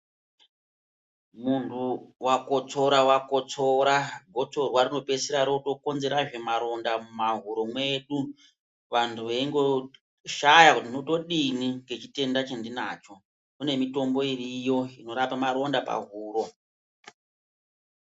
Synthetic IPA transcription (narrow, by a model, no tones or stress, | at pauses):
muntʰuwakot͡so̞ɾawakot͡soɾaɡʱo̞t͡so̞rwarino̞pe̞siɾaɾoto̞ko̞nze̞ɾaʐe̞maɾo̞ndamumaɦuɾo̞mwe̞ɗu | ʋantʰuʋeiŋɡo̞ | ʃajakutinoto̞ɗiniŋɡe̞t͡ʃite̞ndat͡ʃendinaːt͡ʃo̞ | une̞mito̞mbo̞irijo̞ino̞ɾapamaɾo̞ndapa̰ɦuːɾo̞